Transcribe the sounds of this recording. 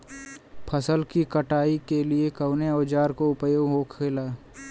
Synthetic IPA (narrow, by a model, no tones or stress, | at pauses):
pʰəsəlkikəʈaːikeliekəʊneɔːd͡ʒaːɾkoʊpjoːɡɦoːkʰeːlaː